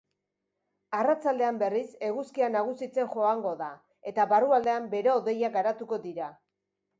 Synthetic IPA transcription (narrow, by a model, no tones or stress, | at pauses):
arat͡sald̪e̞ambe̞rise̞ɣuskianaɣ̞usit͡se̞ŋʝo̞aŋɡo̞ða | e̞t̪aβaruald̪e̞ambe̞ɾe̞oðe̞jaɡaɾat̪uko̞ðiɾa